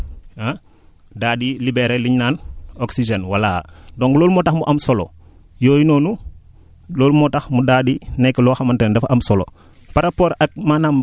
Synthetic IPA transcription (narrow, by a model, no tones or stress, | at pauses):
a | daːdilibɛɾeliɲnaːnoksid͡ʒɛnwaladɔːŋɡloːlmɔtaxmuʔɐmsɔlo̰ | joːjinoːnu | loːlmɔtaxmudaːdinɛkːlɔːxamantɛnndɛfʔɐmsɔlo̰ | paɾapoːɾɐk̚manam